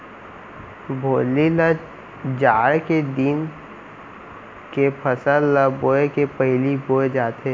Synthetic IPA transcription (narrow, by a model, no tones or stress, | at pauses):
bʱoːlilə | d͡ʒaːɾked̪in | kepʰəsəlːəboːekepəɦɪliboːed͡ʒaːt̪eː